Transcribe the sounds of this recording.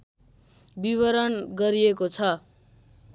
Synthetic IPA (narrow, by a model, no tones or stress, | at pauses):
biβʌɾʌnɡʌɾiekot͡sʰʌ